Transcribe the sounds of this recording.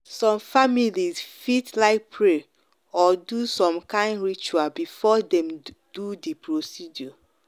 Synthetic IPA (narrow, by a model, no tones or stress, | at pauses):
sɔ̃mfamilizfitlaɪk̚pʰɹe | ɔdusɔ̃mkãɪ̃ndɹit͡ʃualbifɔdɛ̃m | d̥udipɹosidjɔ